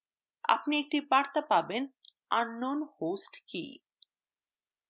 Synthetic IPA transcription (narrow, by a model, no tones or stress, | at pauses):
a̰pniek̚ʈipaɾt̪apaben | anːonhosʈkḭ